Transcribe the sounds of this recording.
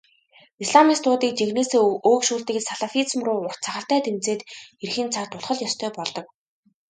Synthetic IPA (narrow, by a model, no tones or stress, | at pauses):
isɮamist̪ʰʊːt̪iːk̚t͡ɕeɣneseoːkʃuːɮt̪ɘ̆ksaɮafit͡smrʊːʊr̥t̪t͡sʰaχə̆ɬt̪æːt̪ʰemt͡seːt̪erxĭnt͡sʰart̪ʰʊɮχə̆ɮjɔst̪ʰœːpɔɮt̪ɞ̆k̚